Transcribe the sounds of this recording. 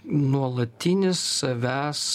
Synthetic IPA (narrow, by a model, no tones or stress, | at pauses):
nuɔlˠɐt̪ʲɪnʲɪsːɐʋʲæːs